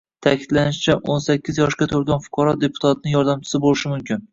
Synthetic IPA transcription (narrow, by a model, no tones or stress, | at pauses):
t̪ʰakʲʰɪd̪̥lanɪʃt͡ʃʰaʔonsakʲːɪzjɒʃkʲat̪ʰoɾɡʲanfʊ̥qʰɑɾɒd̪e̞pʰʊ̥t̪ʰat̪̚nɪjɒɾd̪amt͡ʃʰɪ̥sɪbolɪʃɪmʊmkʲɪn